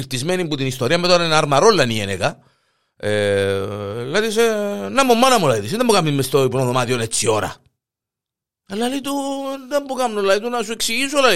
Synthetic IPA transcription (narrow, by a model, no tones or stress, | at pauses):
iɾt̪izmenimbut̪inist̪oɾiɐmːet̪oɾainaɾmaɾolːɐniḛneka | e | lːɐðisenːamːumːanɐmulait̪us̬inðembukamnimːest̪oipunoðomaðionet͡sːioɾɐ̰ | elːalit̪und̪embukamnolait̪unasueksiʝisla